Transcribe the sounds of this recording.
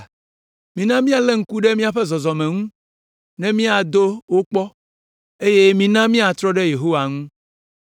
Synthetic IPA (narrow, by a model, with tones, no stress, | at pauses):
mĩ˨nã˦mĩ˦a˨le˦ŋ̩˦ku˦ɖe˦mĩ˦a˨ɸɛ˦zɔ˨zɔ˨mɛ̃˨ŋũ˦ | nɛ̃˦mĩ˦a˨d̪o˦wo˦k͡pɔ˦ | e˦je˦mĩ˦nã˦mĩ˦a˨t̪ɾɔ˦ɖe˦je˨ɦo˦wa˨ŋũ˦